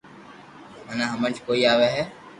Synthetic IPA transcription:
mənãːɦəməɳd͡ʒkoːiːaːʋeːɦɛː

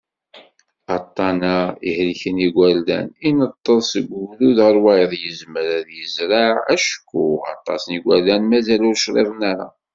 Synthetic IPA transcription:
ɑt̪ˤːɑnaihliçəniɡʷæld̪æ̰ninət̪ˤːəðˤsəɡʷluðəɾˤwæjðˤjəzməɾæðjəzɾaʕæʃkːuɑ̰t̪ˤːɑ̰sniɡʷæɾlænmæzælʊɾʃɾˤḛvənaɾa̰

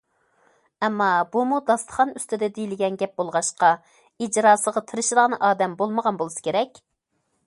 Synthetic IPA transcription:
ɛmːɑbumud̪ɑst̪ʰə̥χɑnyst̪ɪd̪ɛd̪ejilɪɡʲɛnɡʲɛp̚bolˠʁɑʃqɑ | id͡ʒɾɑːsəʁɑt̪ʰɨɾɨʃid̪əʁnɨʔɑːd̪ɛmbolˠməʁɑnbolˠɨsɨ̥kʲʰeɾɛkʲ

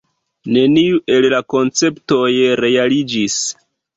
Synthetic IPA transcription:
ne̞niuʔe̞llako̞nt͡se̞pto̞jɾe̞alid͡ʒis

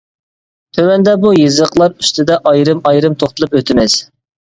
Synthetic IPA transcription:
t̪ʰøwɛnd̪ɛbujɨzəqlˠɑɾyst̪ʰɪd̪ɛʔɑjɾɨmɑjɾɨmt̪ʰoχt̪əlˠɨpøt̪ʰɪmɛz̥

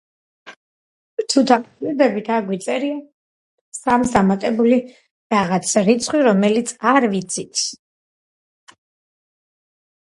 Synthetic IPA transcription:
t̪ʰut̪ʰamiɾd̪ɛbit̪ʰaɾɡwit̪sʼɛɾia | samsamat̪ʼɛbuli | ɾaʁat̪sʰɾit̪sʰχwiɾɔmɛlit̪sʰaɾvit̪sʰit̪ʰ

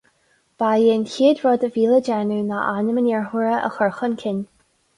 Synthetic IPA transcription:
b̥aːjeːnçiːədɹɔd̪əviːləd͡ʒɛnuna̰ʔanəmənɛɹɦuɹəə̰xɔɹxənkʰɪn

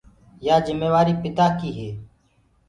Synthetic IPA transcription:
jaːzɪmːeːʋaːɾiːpɪt̪aːkiːɦeː

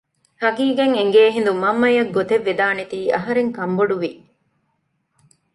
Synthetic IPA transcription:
hɐɡiːɡeŋeŋɡeːɦĩnd̪umɐmːɐjɐɡːot̪eʋːed̪aːnet̪iːʔɐɦɐɾeŋkɐmboɖuʋi

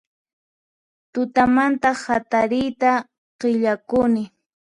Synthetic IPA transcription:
t̪ʊt̪amant̪ahat̪aɾɪjt̪a | qɪʎakʊnɪ

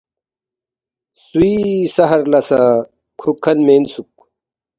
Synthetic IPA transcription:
suisɐɦɐɾlɐsa | kʰukʰːɐnmeːnsuk̚

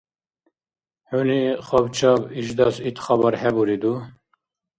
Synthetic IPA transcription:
ħuliχɔbt͡ʃʰɑbiʒd̪ɑsit̪χɑbɑɾhɛbuɾid̪u

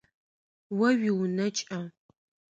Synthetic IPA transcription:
wɐɥiwnɐt͡ʃʼɐ

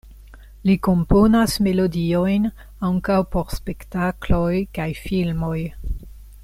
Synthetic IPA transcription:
liko̞mpo̞nasme̞lo̞dio̞jn | aŋkawpo̞ɾspe̞ktaklojkajfilmo̞j

